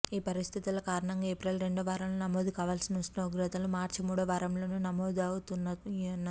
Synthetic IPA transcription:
iːpɐɾist̪ʰit̪ilɐkaːɾɐɳɐŋɡaːeːpɾɐlɾe̞ɳɖɐʋaːɾɐmlunɐmoːd̪ukaːʋaːlsinɐsʈnɐuɡɾɐt̪ɐlumaːɾt͡ʃimuːɽɐʋaːɾɐmlo̞ːnunɐmoːd̪ɐwut̪unːɐɐnːɐ

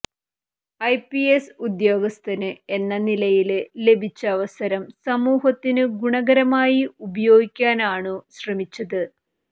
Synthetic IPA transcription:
ɐjpiesud̪jo̞ːɡɐst̪ʰɐnɨe̞nːɐnilɐjille̞bʱit͡ɕːɐːʋɐsɐɾɐmsɐmuːɦɐt̪ːinɨɡuɳɐɡɐɾɐmaːjiubɐjo̞ːɡikʲːaːnaːɳɨɕrɐmit͡ɕːɐðɨ

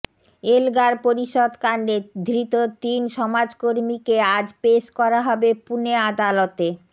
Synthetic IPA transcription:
elɡaɾpoɾiʃod̪kaɳɖed̪ʱɾit̪ot̪inʃɔmad͡ʑkoɾmikead͡ʑpeʃkɔɾaɦɔbepunead̪alot̪e

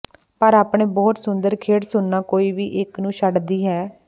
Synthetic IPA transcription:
pəɾaːpɳeːbɔːt̪sʊnd̪əɾkʰeːɽsʊnːaːkoːiːʋiːʔɪknũːʃəɖd̪iːɦɛː

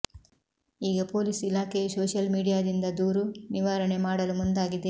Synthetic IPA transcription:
iːɡɐpo̞ːlisilaːkesoːʃɐlmiːɽijaːd̪ind̪ɐd̪uːɾuniʋaːɾɐɳe̞maːɽɐlumund̪aːɡid̪e̞

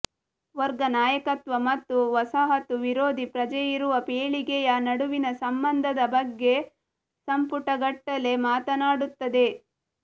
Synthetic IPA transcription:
ʋɐɾɡɐnaːjɐkɐt̪ʋɐmɐt̪ːuʋɐsaɦɐt̪uʋiɾoːd̪ʱipɾɐd͡ʒɐjiɾuʋɐpeːɭiɡɛjɐnɐɽuʋinɐsɐmbɐnd̪ʱɐd̪ɐbɐɡːe̞ | sɐmpuʈɐɡɐʈːɐle̞maːt̪ɐnaːɽut̪ːɐd̪e̞

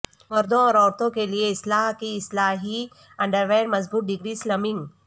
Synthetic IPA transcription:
ʋəɾd̪õɔɾɔɾt̪õkelijeislaɦkiːslaɦi | əɳɖəɾʋeɾməd͡zbuːt̪̚ɖiɡɾiːsləmiŋɡ

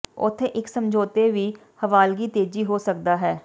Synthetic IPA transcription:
ʊ̰t̪ʰːeʔɪksəmd͡ʒʱoːt̪eːʋiː | həʋaːlɡiːt̪eːd͡ʒiːɦoːsək̚d̪aːɦɛː

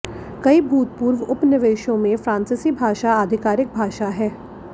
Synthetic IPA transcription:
kɐibʱuːt̪puːɾʋʊpnɪʋeːʃõmẽfɾãːnsɪsibʱaːʃaaːd̪ʱɪkaːɾɪk̚bʱaːʃaɦɛː

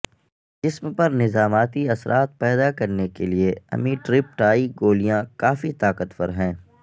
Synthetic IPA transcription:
d͡ʒɪsmpɐɾnɪzaːmaːt̪iɐsɾʔaːt̪̚pɛːd̪akɐɾnekelieɐ̰miːʈɾɪp̚ʈaːiɡoːlijãkaːfit̪aːkət̪fə̰ɾɦɛ̃ː

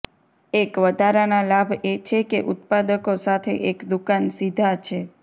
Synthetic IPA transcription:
ekʋəd̪ʱaɾanalabʱet͡ʃʰekeʔʊt̪̚pad̪əkosat̪ʰḛʔekd̪ukansid̪ʱat͡ʃʰe

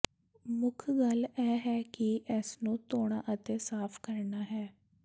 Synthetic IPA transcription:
mʊkʰɡəlɛːɦɛːkɪʔɛsnũːt̪oːɳ̃aːʔət̪eːsaːpʰkəɾnaːɦɛː

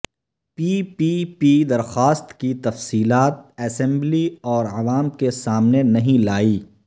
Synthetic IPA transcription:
piːpipid̪ɐɾxaːst̪kit̪ɐfsiːlaːt̪̚ɛːsɛ̃mbliɔːɾɐʋaːmkesaːmnenɐɦĩlaːiː

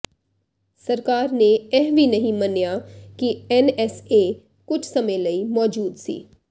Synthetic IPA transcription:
sɐɾkaːɾneɛɦʋinɐɦĩmɐnjaːkiɛnɛseː | kʊt͡ʃʰsɐməẽləimɔːd͡ʒuːd̪sḭː

